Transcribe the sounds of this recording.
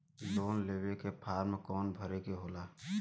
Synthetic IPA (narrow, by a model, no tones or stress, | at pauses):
loːnleːwekepʰaːɾmẽkɔːnbʱəɾeɡeɦoːlaː